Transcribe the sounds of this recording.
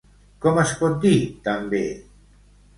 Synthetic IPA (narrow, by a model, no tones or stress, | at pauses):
komaskod̪it̪ambḛ